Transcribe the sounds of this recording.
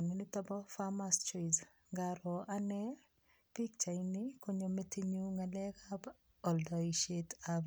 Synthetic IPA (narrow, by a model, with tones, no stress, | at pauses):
ŋi˨ni˦tɔ˦bɔ˦fa˦ma˦st͡ʃi˨z | ɡa˨ɾɔ˨ʔa˦nɛ˦ | pi˦k̚t͡ʃa˨inɪ˦ko˦ɲo˨me˦ti˦ɲu˦ŋa˨lɛ˦ka˦b | ɔ˨ldɔ˨i˨ʃe˦tab